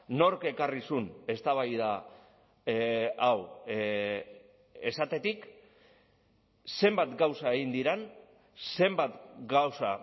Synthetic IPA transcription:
no̞ɾke̞karisune̞st̪aβajða | w | e̞sat̪e̞t̪ik | se̞mbat̪ɡawsae̞ɣind̪iɾen | se̞mbat̪ɡawsa

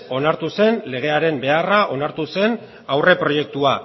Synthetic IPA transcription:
o̞naɾt̪use̞nle̞ɣ̞e̞aɾe̞mbe̞araʔo̞naɾt̪use̞n | awre̞pɾo̞je̞k̚t̪ua

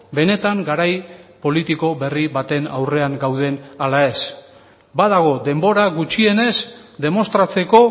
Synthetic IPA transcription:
be̞ne̞t̪aŋɡaɾajpo̞lit̪iko̞βe̞riβat̪e̞nawre̞aŋɡawð̞e̞nalae̞s | bað̞aɣ̞o̞d̪e̞mbo̞ɾaɣut͡ʃie̞ne̞zd̪e̞mo̞st̪ɾat͡se̞ko̞

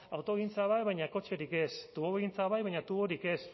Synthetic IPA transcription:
awt̪o̞ɣint͡saβajβajɲako̞t͡ʃe̞ɾike̞st̪uβoβɣint͡saβajβaɲat̪uβoɾike̞s

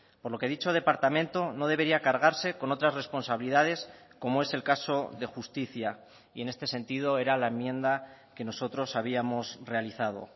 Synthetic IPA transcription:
po̞ɾlo̞keðit͡ʃo̞ðe̞paɾt̪amẽ̞nt̪o̞no̞ðe̞βe̞ɾiakaɾɣ̞aɾse̞ko̞no̞t̪ɾazre̞spo̞nsaβiliðað̞e̞sko̞moe̞se̞lkaso̞ðe̞xust̪iθja | ie̞ne̞st̪e̞se̞nt̪ið̞o̞e̞ɾalaemjẽ̞nd̪a | ke̞no̞so̞t̪ɾo̞saβ̞iamo̞sre̞aliθað̞o̞̰

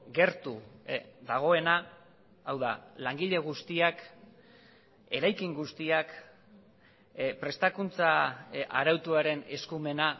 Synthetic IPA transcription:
ɡe̞ɾt̪uðaɣ̞o̞e̞naː | wða̰laŋɡiʎe̞ɣ̞ust̪iak | e̞ɾajkiŋɡust̪iak | pɾe̞st̪akunt͡saaɾawt̪uaɾe̞ne̞skume̞na

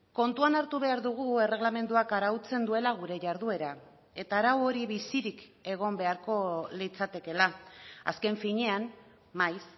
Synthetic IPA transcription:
ko̞nt̪uanaɾt̪uβ̞e̞aɾðuɣ̞ue̞re̞ɣlame̞nd̪uakaɾawt͡se̞nd̪ue̞laɣ̞uɾe̞ʝaɾðue̞ɾa | e̞t̪aːɾawo̞ɾiβisiɾik | e̞ɣ̞o̞mbe̞aɾko̞lit͡sat̪e̞ke̞laa̰ske̞ɱfiɲe̞an | majs

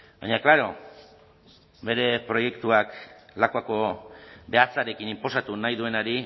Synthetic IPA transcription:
ba̰ɲaklaɾo̞ | be̞ɾe̞pɾo̞je̞kt̪uaklakako̞be̞at͡saɾe̞kinimpo̞sat̪unajðue̞naɾi

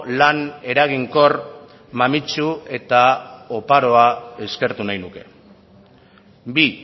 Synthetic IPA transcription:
lane̞ɾaɣ̞iŋko̞r | mamit͡ʃue̞t̪ao̞paɾo̞ae̞ske̞ɾt̪unajnuke̞ | bi

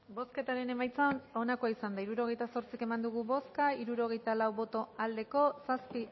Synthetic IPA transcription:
bo̞ske̞t̪aɾe̞ne̞majt͡sano̞nakoaisand̪aiɾuɾo̞ɣe̞jt̪aso̞ɾt͡sike̞mand̪uɣ̞uβo̞skaiɾuɾo̞ɣ̞e̞jt̪alawβo̞t̪o̞ald̪e̞ko̞saspi

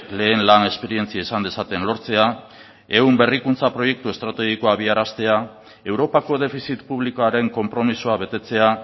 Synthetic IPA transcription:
le̞ːnlane̞spe̞ɾie̞nt͡siaisand̪e̞sat̪e̞nlo̞ɾt͡se̞a | e̞umbe̞rikunt͡sapɾo̞je̞k̚t̪ue̞st̪ɾat̪e̞ɣ̞iko̞aβiaɾast̪e̞a | e̞wɾo̞pako̞ðe̞fisit̪puβlikoaɾe̞ŋko̞mpɾo̞misuaβe̞t̪e̞t͡se̞a

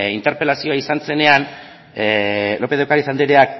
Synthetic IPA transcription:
int̪e̞ɾpe̞lasio̞aisanse̞ne̞an | lo̞peðewkaɾisand̪iɾe̞a

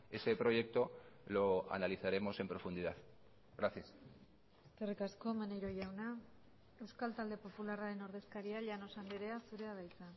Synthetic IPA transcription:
e̞se̞pɾo̞ʝe̞k̚t̪o̞lo̞a̰naliθaɾe̞mo̞se̞mpɾo̞fund̪iðað | ɣɾaθjas | eske̞rikasko̞manejɾo̞ʝawna | e̞wskalt̪ald̪e̞po̞pularaɾe̞no̞ɾðe̞skaɾiaʎano̞sand̪iɾe̞asuɾe̞aβajt͡sa

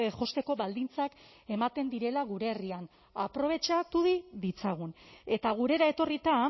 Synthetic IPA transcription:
ʝo̞st̪e̞ko̞βald̪int͡sak | e̞mat̪e̞nd̪iɾe̞laɣ̞uɾe̞ːrian | apɾo̞β̞e̞t͡ʃat̪uðiðit͡saɣ̞une̞t̪aɣ̞uɾe̞ɾae̞t̪o̞rit̪a

